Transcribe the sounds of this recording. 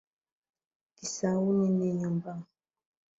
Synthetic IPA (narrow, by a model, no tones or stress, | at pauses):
kisawunineɲəmbaŋ